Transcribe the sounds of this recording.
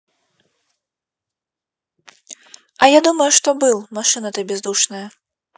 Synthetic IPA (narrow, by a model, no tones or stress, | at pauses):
ɐjad̪umɐjuʂt̪ɔbɨlˠmaʂɨnɐt̪ɨbʲɛzd̪uʂnɨjɐ